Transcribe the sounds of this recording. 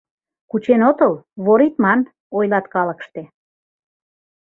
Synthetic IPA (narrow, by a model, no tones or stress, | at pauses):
kut͡ɕenot̪əlβoɾit̪mɑn | ojlɑt̪kɑləkʃt̪e